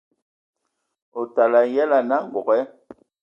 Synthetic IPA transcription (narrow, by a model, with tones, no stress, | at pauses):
o˨ta˨la˨˦jɛ˦la˨na˦ŋ˨ɔ˨kɛ˦